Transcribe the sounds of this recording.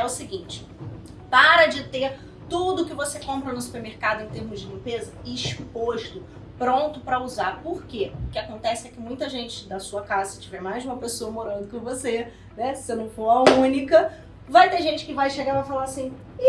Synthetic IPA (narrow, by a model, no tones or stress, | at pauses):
ɛʊsɪɡĩt͡ʃɪ̥ | paɾɐd͡ʒɪt̪eɾ | t̪ud̪ʊːkɪvosekõmpɾɐnʊsu̥peɾmeɾkad̪ʊẽt̪eɾmʊzd͡ʒɪlĩpezɐɪʃpoʃt̪ʊ | pɾõnt̪ʊpɾɐuzaɾpoɾkekɪakõnt̪ɛsɪɛkɪmũj̃t̪ɐʒẽnt͡ʃɪ̥d̪ɐsuɐkazɐsɪ̥t͡ʃivɛɾmajzũmɐpesoɐmoɾɐ̃nd̪ʊkõvose | nɛsɪ̥senɐ̃w̃foɾɐũnikɐ | vajt̪eʒẽnt͡ʃɪ̥kɪvajʃeɡãɾpɐfalaɾasĩ